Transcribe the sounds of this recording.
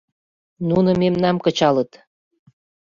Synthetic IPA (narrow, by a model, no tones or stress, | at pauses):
nunɤ̆memnɑmkət͡ɕɑlət̪